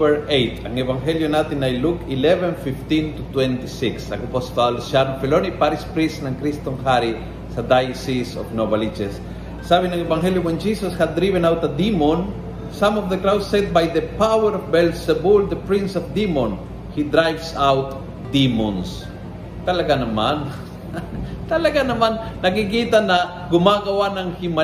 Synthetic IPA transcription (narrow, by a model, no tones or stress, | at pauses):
ɛɹʔejt̪ɐŋɛvɐŋɦɛljonat̪ɪnɐjlukɪlɛvɛ̃nfift̪ĩnt̪ut̪wɛ̃nt̪isiksɐŋɐpost̪alʃaɾmfɛlonipaɾispɾisnɐŋkɾist̪oŋɦaɾi | sɐd̪ajsiso̰fnobɐlid͡ʒɛsː | aːbɪnɐŋɛbɐŋɦɛljowɛnd͡ʒisoshɐd̪d̪ɾivɛ̃nawt̪̚dɐd̪imon | sãmɔvd̪ɐkɾawt̪sɛd̪̚bajd̪ɐpawɛɾɔvbɛlsɛbʊld̪ɐpɹĩnsɔvd̪imɔn | hid̪ɾajvsawt̪ | d̪imɔns | t̪ɐlɐɡanɐman | t̪ɐlɐɡanɐmanːɐkik̬iːt̪anɐ | ɡʊmaːɡɐwanɐŋhima